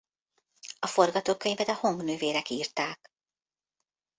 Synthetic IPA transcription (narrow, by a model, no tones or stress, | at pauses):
ɒfo̞rɡɒt̪oːkːøɲvɛd̪ɛho̞ŋɡnøːveːɾɛkiːrt̪aːk